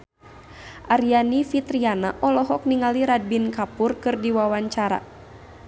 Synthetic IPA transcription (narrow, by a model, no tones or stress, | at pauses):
ʔaɾianifit̪ɾiana̰ʔɔlɔɦɔk̚niŋaliɾad̚binkapʊrkɨrdiwawaɲt͡ʃaɾa̰